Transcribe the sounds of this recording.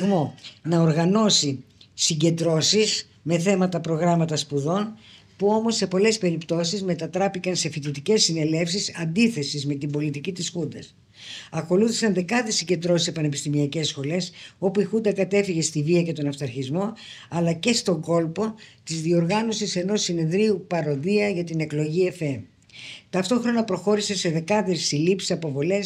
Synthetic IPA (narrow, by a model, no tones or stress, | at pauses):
ɣmo̞nɐoɾɣɐno̞si | siɲɟe̞nd̪ɾo̞sis | me̞θe̞mɐt̪ɐpɾo̞ɣɾɐmɐt̪ɐspuðo̞n | puo̞mo̞sːe̞po̞le̞spe̞ɾipt̪o̞sizme̞t̪ɐt̪ɾɐpikɐnse̞fit̪it̪ice̞sːine̞le̞fsisɐnd̪iθe̞sizme̞t̪ibo̞lit̪icit̪isxund̪ɐs | ɐko̞luθi̥sɐnd̪e̞kɐðisiɟe̞nd̪ɾo̞sisepɐnepist̪imiɐce̞sxo̞le̞so̞puixund̪ɐkɐt̪e̞fiʝe̞st̪iviɐce̞t̪o̞nɐst̪ɐɾçizmo̞ɐlɐce̞st̪o̞ŋɡo̞lpo̞t̪izðio̞ɾɣɐno̞sise̞no̞sːine̞ðɾiupɐɾo̞ðiɐʝɐt̪ine̞klo̞ʝiefe | t̪ɐft̪o̞xɾo̞nɐpɾo̞xo̞ɾise̞se̞ðe̞kɐðesilipsi̥sɐpo̞vo̞le̞s